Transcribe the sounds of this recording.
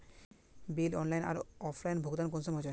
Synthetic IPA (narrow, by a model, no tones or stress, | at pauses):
bilɔnlajna̰ɾɔpʰlajnbʱoɡd̪ank̬onsɔmɦɔd͡ʑoɾ